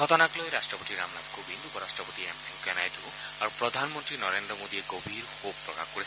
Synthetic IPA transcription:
ɔt̪ɔnaklojɾastɹɔpɔt̪iɾamlabkʰubind̪ʱubɔɾastɹɔpɔt̪iemniukɛnajd̪ʱu | aɾupɾɔd̪ʱanmɔnt̪ɾinɔɾendɾɔmod̪ieɡobʱiɾxob̚pːɾɔka̰kkoɾi

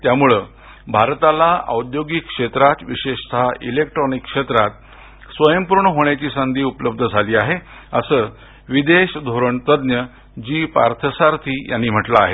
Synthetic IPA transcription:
t̪jamuɭe | bʱaɾt̪alaə̰wd̪joɡikʂet̪ɾat̪ʋiɕeɕt̪ʰaḭlek̚ʈɾɔnikːʂet̪ɾat̪ | sʋəjəmpuɾɳəɦoɳjat͡ɕiːsənd̪ʱiːupələb̚d̪ʱəd͡zʱaliːaɦe | əsəː | ʋid̪eɕd̪ʱoɾəɳt̪əd̪njə | d͡ʑiːpa̰ɾt̪ʰəsaɾt̪ʰiːja̰nːiːm̤əʈlaːɦe

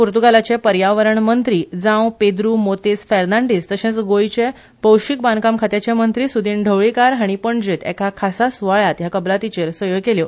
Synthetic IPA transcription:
puɾt̪uɡalat͡ɕepəɾjaʋəɾəɳmənt̪ɾiːd͡zãwped̪ɾumot̪isfɛɾnãɳɖist̪əɕẽt͡sɡojt͡ɕe | pəwɕik̚bãnkamkʰat̪jat͡ɕemənt̪ɾisud̪iːnɖʱəʋɭikaɾɦaɽ̃ipəɳd͡ʑit̪ḛkʰakʰasasʋaɭjat̪jakəblat̪it͡ɕeɾsʋəjoɡkeljo

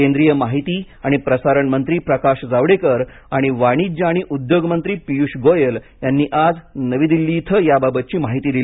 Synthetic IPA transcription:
end̪ɾijəmaɦit̪iː | aɽ̃ipɾəsaɾəɳmənt̪ɾiːpɾəkaɕd͡zaʋɽekəɾ | aɽ̃iʋaɽ̃id͡ʑaɽ̃iʔud̪joɡmənt̪ɾiːpijuɕɡojəl | janːiːʔad͡znəʋiːd̪ilːiːt̪ʰəjababət̪̚t͡ɕiːmaɦit̪iːd̪il

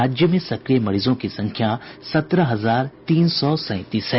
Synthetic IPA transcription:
aːd͡ʒjəmẽsɐkɾijmɐɾiːzõkisɐ̃ŋkʰjasɐt̪ɾəɦɐzaːɾt̪iːnsɔsɛ̃ːɪ̃t̪iːsɛ

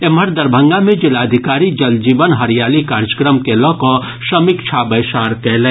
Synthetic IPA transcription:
eməɾd̪ɐɾbʱə̃ŋɡamẽd͡ʒɪlaːd̪ʱɪkaːɾid͡ʒɐld͡ʒiːʋənɦɐɾijaːlikaːɾd͡ʒə̥kɾəmkelɔ̃ːko | ʃəmɪkt͡ʃʰabəjʃaːɾkɛɦlɛ̃ː

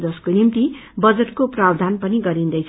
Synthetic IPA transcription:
d͡zʌskonimt̪ibʌd͡zeʈkoprab̚d̪ʱanpʌniɡʌɾind̪ʌjt͡sʰ

